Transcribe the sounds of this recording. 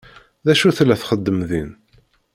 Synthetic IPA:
ðæʃuθlːæθχəd̪ːəmðin

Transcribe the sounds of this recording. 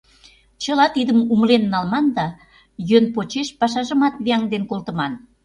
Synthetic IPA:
t͡ɕə̆lɑt̪id̪əmumlenːɑlmɑnd̪ɑ | jønpot͡ɕeʃpɑʃɑʒə̆mɑt̪βiɑŋd̪enkolt̪ə̆mɑn

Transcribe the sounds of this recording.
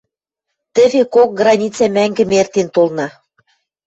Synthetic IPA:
t̪ɘ̆vekok̚ɡrɑnʲit͡sɑmæŋɡɘ̆mert̪ent̪olnɑ

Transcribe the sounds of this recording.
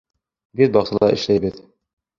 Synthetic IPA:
bit̪̚bɑqsɤ̆lˠɑʔɘ̆ʃlæjbɘð

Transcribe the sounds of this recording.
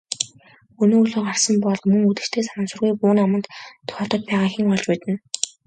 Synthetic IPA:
ɵnoːuɮoːɢarsə̆mpɔɮmɵŋut̪ɘ̆rt̪ʰeːsanə̆nsʊ̆rɣujpuːnamə̆nt̪t̪ʰːʊ̥xʲɔːt̪ɞ̆t̪̚pæːʁaːxiːŋɔɮt͡ɕpæːt̪ɘ̆n

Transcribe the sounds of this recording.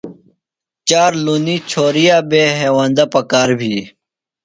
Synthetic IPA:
t͡ɕaːɾluniːt͡ɕʰoːɾijaːbeːɦeːwaːnd̪apəkaːɾbʱiː

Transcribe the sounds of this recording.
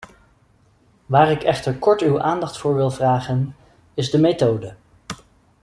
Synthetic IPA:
ʋaːɾɪkɛχtəɹkɔɹtywaːndɑχtfʊːɹʋɪlˠvraːχən | ɪzdəmetowdə

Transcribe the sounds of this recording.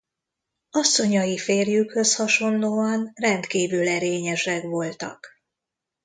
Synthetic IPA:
ɒsːo̞ɲɒjifeːrjykhø̞shɒʃo̞nloːɒnrɛnt̪kiːvylɛɾeːɲɛʃɛkʋo̞lt̪ɒ̰k

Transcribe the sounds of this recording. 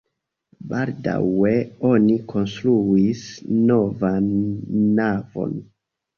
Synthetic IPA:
balda̰we̞o̞nikʰo̞nstɾuisno̞vanː | avo̞̰n

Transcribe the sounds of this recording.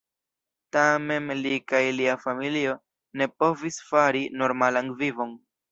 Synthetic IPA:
tame̞mlikajliafamilio̞ | ne̞po̞visfaɾino̞ɾmalaŋvivo̞n

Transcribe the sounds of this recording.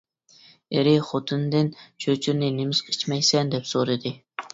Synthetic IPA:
eɾiχot̪ʰɨnd̪ɨnt͡ʃʰøt͡ʃʰyɾnɪnemɪsqʰi̥t͡ʃmɛjsɛnd̪ɛpsoɾɨd̪ɨ

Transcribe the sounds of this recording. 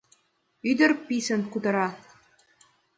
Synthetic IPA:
yd̪ɘ̆rpisɘ̆nkud̪ɤ̆ɾɑθ

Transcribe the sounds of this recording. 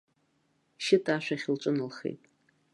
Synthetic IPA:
ʃɪtʰʼaʃʷᶣaχʲɪlʈ͡ʂʷʼɨnɨlχḛjtʼ

